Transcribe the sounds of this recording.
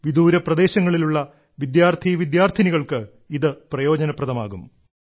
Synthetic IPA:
ʋid̪uːɾɐprɐd̪e̞ːɕɐŋːɐɭiluɭːɐ | ʋid̪jaːrt̪ʰiʋid̪jaːrt̪ʰiniɣɐɭkɨ | iðɨprɐjo̞ːd͡ʑɐnɐprɐðɐma̰ːɣum

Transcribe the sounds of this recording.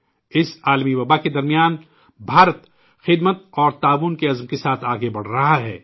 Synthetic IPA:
ɪsaːlmiwɐbaked̪ɐɾmijaːn | bʱaːɾət̪ | xɪd̪mət̪̚ɔːɾt̪aːʋuːnkeɐzmkesaːt̪ʰaːɡebɐɽ̤ɾɐɦaɦɛː

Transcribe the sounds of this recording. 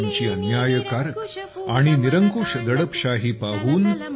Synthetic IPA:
ɲt͡ɕiːənjajəkaɾaɽ̃iniɾəŋkuʂd̪əɽəpɕaɦipaʋuːn

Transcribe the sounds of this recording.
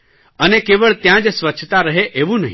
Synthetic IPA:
ənekeʋəɭt̪jãd͡ʒsʋəːt͡ʃʰt̪aɾəɦeʔeʋũnəɦĩ

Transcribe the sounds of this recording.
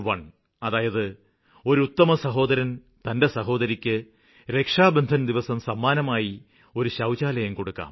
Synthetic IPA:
ʋɐɳ | ɐðaːjɐðɨ | o̞ɾuut̪ːɐmɐsɐɦo̞ːd̪ɐɾɐn | t̪ɐnde̞sɐɦo̞ːd̪ɐɾikʲːɨ | ɾe̞kʂaːbɐnd̪ʱɐnd̪iʋɐsɐmsɐmːaːnɐmaːji | o̞ɾuɕɐwt͡ɕaːlɐjɐmko̞ɽukːa̰ːm

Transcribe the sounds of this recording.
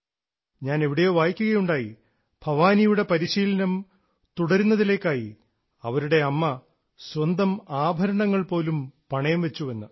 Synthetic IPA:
ɲaːne̞ʋiɽejo̞ːʋaːjikʲːuɣɐjuɳɖaːji | bʱɐʋaːnijuɽe̞pɐɾiɕiːlɐnɐm | t̪uɽɐɾunːɐðile̞ːkːaːji | ɐʋɐɾuɽe̞ɐmːɐ | swɐnd̪ɐmaːbʱɐɾɐɳɐŋːɐɭpo̞ːlumpɐɳɐjɐmʋe̞t͡ɕːuʋenːɨ

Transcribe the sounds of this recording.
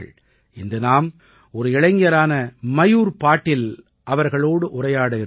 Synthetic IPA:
ɐɭ | ɪnd̪ɯnaːm | ɔɾɯɪɭɐɪŋɡjɐɾaːnɐmɐjuːɾpaːʈːɪl | ʔɐʋɐɾɣɐɭoːɽɯʔʊrɐjaːɽɐɪɾɯ

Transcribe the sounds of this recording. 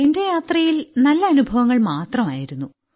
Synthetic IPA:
ende̞jaːt̪rɐjilnɐlːɐːnubʱɐʋɐŋːɐɭmaːt̪rɐmaːjiɾunːu

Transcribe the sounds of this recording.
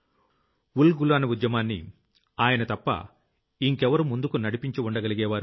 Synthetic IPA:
wulɡulaːnɐud̪jɐmaːnːḭ | aːjɐnɐt̪ɐpːɐ̰ | iŋkɛʋɐɾumund̪ukunɐɽipiɲt͡ʃiuɳɖɐɡɐliɡɛːʋaːɾu

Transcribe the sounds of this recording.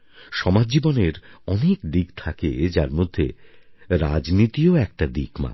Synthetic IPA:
ʃɔmad͡ʑd͡ʑiboneɾɔnekd̪iɡt̪ʰaked͡ʑaɾmod̪ʱːeɾad͡ʑnit̪ioɛk̚ʈad̪ikma̰

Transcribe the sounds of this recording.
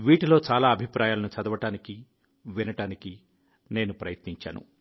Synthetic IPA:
ʋiːʈilo̞ːt͡ʃaːlaːɐbʱipɾaːjaːlɐnut͡ʃɐd̪ɐʋɐʈaːniki | ʋinɐʈaːniki | ne̞ːnupɾɐjɐt̪niɲt͡ʃa̰ːnṵ

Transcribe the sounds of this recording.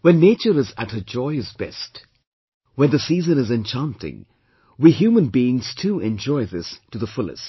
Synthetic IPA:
wɛ̃nːeɪt͡ʃəɾɨzɨt̚həd͡ʒɔɪɨzbɛ̰st | wɛ̃nðɨsiːzɨ̃nɨzɨ̃nt͡ʃʰãntɪ̰̃ŋ | wiɦjʉmə̃nbiɪ̃ŋz̥tʰuɛ̃nd͡ʒɔɪðɪstɨðəfʊlˠɨ̰st

